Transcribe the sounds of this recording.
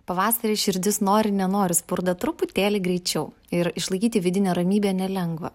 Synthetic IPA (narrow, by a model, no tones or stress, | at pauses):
pɐʋɑːsɐɾʲeːʃʲɪɾʲd̪ʲɪsnoːɾʲɪnʲɛnoːɾʲɪspʊɾd̪ɐt̪ɾʊpʊt̪ʲeːlʲɪɡɾʲɛɪt͡ʃʲɛʊ | ɪɾɪʃlˠɐɪkʲiːt̪ʲɪʋʲɪd̪ʲɪnʲɛːɾɐmʲiːbʲɛːnʲɛlʲɛŋɡʋɐ̰